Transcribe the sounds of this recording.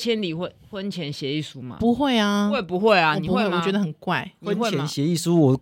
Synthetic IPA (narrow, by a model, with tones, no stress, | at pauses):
t͡ɕʰjɛ˦nli˨˩wə˥˧˩xwə˦˥nt͡ɕʰjɛ˧˦˥nɕjɛ˨˧˦i˥˩su˦ma̰˨pu˧˦xwe˥˨ɪa˨we˥˩ɪpu˧˦xwe˥˩ɪa˨n˨i˨u˦xwwwɔ˨˩t͡ɕɥɛ˧˦d̪ə˧ə˨˩nkwa˥˨ɪwə˦wjɛ˨˦nɕjɛ˨˦i˥˩su˦wɔ˨˩